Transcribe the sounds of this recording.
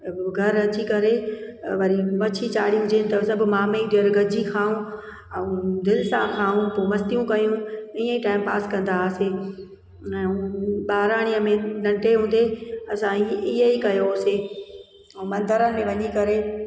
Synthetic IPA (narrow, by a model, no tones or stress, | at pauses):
ɡʱɐɾɐt͡ɕikɐɾeʋɐɾimɐt͡ɕʰit͡ɕaːɽiũd͡ʑeːnɪt̪ɐsɐbʱʊmaːmeid̪ijəɾɡʱɐd͡ʑikʰaːũ | ɛ̃ũd̪ɪlɪsãkʰaːũpoːmɐst̪ijũkɐjũĩːə̃iʈaːɪmpaːskɐ̃nd̪aːse | ɛ̃ːɓaːɾaːɽ̃iːə̃mẽnɐ̃ɳʈeɦũːn̆d̪eɐsãiɪɦəikɐjosẽː | mɐ̃nd̪əɾənɪ̆mẽʋɐɲikɐɾe